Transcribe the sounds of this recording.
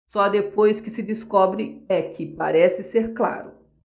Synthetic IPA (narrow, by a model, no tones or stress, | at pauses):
sɔd̪epojskɪsɪd͡ʒɪskɔbɾɪɛkɪpa̰ɾɛsɪseɾkla̰ɾʊ